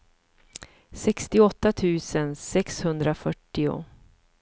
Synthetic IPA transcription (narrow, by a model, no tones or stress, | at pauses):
sɛkst̪ɪɔt̪ːat̪ʰʉ̟ːsənsɛkshɵnd̪ɾafœʈːɪʊ̰